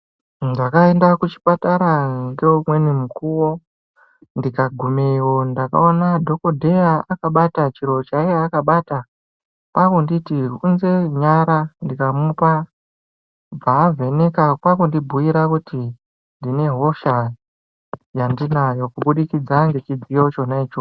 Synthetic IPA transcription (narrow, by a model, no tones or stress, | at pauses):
ndakae̞ndakut͡ʃi̥pataɾaŋɡeumwe̞nimukuwo̞ | ndikaɡʱumeiwo̞ndaka̰o̞nadʱo̞ko̞dʱe̞jaakaɓatat͡ʃiɾo̞t͡ʃaiaːkaɓata | kwakonditiɦunze̞ɲaɾandikamupa | b͡vaːve̞ne̞kakwakondibʱuiɾakuti | ndine̞ɦo̞ʃa | jandinajo̞kuɓuɗikid͡zaŋɡet͡ʃid͡zijo̞t͡ʃo̞nait͡ʃo